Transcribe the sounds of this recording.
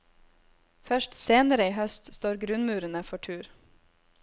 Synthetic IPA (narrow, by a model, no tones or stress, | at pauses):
fœʃʈseːnəɾəiːhœst̪st̪oːɾɡɾʉnmʉːɾənəfɔʈʰʉːɾ